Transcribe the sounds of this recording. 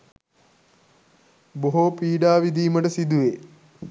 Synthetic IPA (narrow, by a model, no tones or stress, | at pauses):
boɦopiːɖaːʋid̪iːməʈəsid̪uʋe